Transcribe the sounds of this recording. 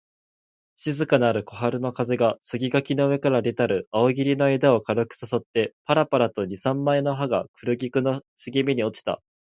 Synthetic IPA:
ɕizɨkanaɾɯ̟ko̞ɦaɾɯ̟no̞kaze̞ɡasɨɡʲiɡakʲinoɯ̟βe̞kaɾaɾʲe̞t̪aɾɯ̟aoɡʲiɾʲino̞e̞d̪ao̞kaɾokɯ̟̥saso̞t̪ːe̞paɾapaɾat̪o̞ɲ̟isãmːaeno̞ɦaɡakɯ̟ɾɯ̟ɡʲikɯ̟noɕɨɡʲimʲiɲ̟io̞t͡ɕi̥t̪a̰

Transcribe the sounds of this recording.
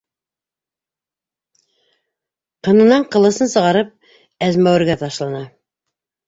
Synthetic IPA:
qɤ̆nɤ̆nɑɴqɤ̆lˠɤ̆sɤnsɤ̆ʁɑɾɤp̚ | æzmæwɘ̆ɾɡæt̪ɑʃlˠɑnɑ

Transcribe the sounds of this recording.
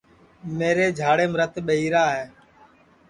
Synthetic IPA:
meːɾeːd͡ʒʱaːɽeːmɾət̪ɓəɦiːɾaːɦɛː

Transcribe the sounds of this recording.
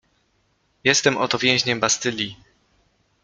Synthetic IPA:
jɛst̪ɛmɔt̪ɔvʲjɛ̃ʑɲɛmbast̪ɘlʲi

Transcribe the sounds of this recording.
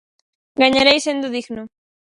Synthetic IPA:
ɡaɲaɾejsend̪ʊðiɣno

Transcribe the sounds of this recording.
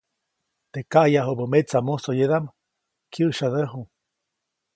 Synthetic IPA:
t̪ekaʔjaɦobomet͡samuhsojed̪am | kjəʔʃaðəɦu

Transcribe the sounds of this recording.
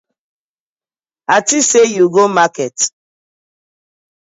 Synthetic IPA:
atisejuɡomakɛt

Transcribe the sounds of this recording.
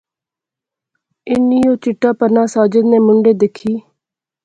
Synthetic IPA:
ɪnːiːoːt͡ʃɪʈːaːpənaːsaːd͡ʒəd̪neːmʊɳɖeːd̪ɪkʰːiː

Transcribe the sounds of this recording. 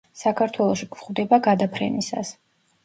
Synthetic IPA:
sakʰaɾt̪ʰwɛlˠɔʃikʰχvd̪ɛbaɡad̪apʰɾɛ̰nisa̰s

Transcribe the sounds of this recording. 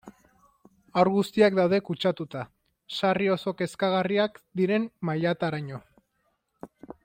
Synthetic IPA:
awɾɣust̪iak̚d̪awð̞e̞kut͡ʃat̪ut̪a | sario̞so̞ke̞skaɣ̞ariakd̪iɾe̞mmajat̪aɾaɲo̞

